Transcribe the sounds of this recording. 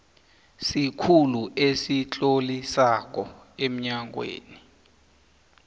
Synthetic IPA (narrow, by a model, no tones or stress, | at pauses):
sikʰuluesit͡ɬʼolisak̬ɔ | em̩ɲaŋwḛːni